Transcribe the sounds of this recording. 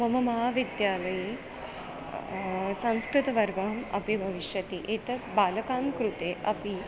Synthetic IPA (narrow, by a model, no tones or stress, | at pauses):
ɐmɐmɐɦaːʋid̪jaːlɐji | sɐ̃ñskɾɪt̪ɐʋɐɾɡaɦɐmɐ̰pibʱɐʋiʃjɐt̪iʔet̪ɐbaːlɐkaːnkɾut̪eːʔɐpi